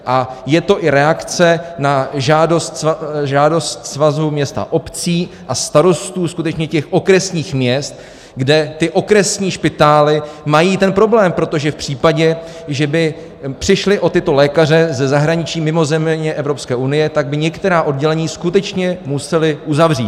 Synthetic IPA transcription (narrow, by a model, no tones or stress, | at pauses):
ʔajɛt̪o̞ʔɪɾɛakt͡sɛnaʒaːdo̞st̪sʒaːdo̞st̪svazumɲɛst̪a̰ʔo̞pt͡siːʔast̪aɾo̞st̪uːskut̪ɛt͡ʃɲɛcɛxʔo̞kɾɛsɲiːxmɲɛst̪ | ɡdɛt̪ɪʔo̞kɾɛsɲiːʃpɪt̪aːlɪmajiːt̪ɛnpɾo̞blɛːmpɾot̪o̞ʒɛfpr̝̥iːpaɟɛ | ʒɛbɪ | pr̝̥ɪʃlɪʔo̞t̪ɪt̪o̞lɛːkar̝ɛzɛzaɦɾaɲɪt͡ʃiːmɪmo̞zɛmmɲɛʔɛvɾo̞pskɛːʔunɪjɛt̪aɡ̚bɪɲɛkt̪ɛɾaːʔo̞dɟɛlɛɲiːskut̪ɛt͡ʃɲɛmusɛlɪʔuzavr̝iːt̪